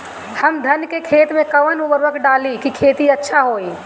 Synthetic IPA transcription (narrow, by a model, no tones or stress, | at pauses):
hɐmd̪ʱɐnkekʰeːt̪mẽkɐʋənʊbəɾʋəkɖaːlikikʰeːt̪iɐtːʃʰaɦoːiː